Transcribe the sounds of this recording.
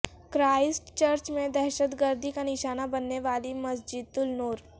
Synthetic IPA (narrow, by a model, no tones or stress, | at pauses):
kɾaːɪsʈt͡ɕəɾt͡ʃmẽd̪ɛɦʃət̪ɡəɾd̪ʱikaniʃaːnabənːeʋaːliməsd͡ʒid̪̚t̪ulnoːɾ